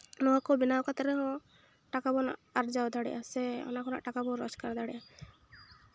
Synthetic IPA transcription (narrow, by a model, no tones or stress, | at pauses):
nɔɦakɔbinawkat̪ɛɾɛɦɔ̃ | ʈakabɔna̰ʔaɾd͡ʒawd̪ʱaɽɛ̰ʔasɛɔ̰nakɔna̰ʔʈakabɔɾɔd͡ʒkaɾd̪ʱaɽiʔa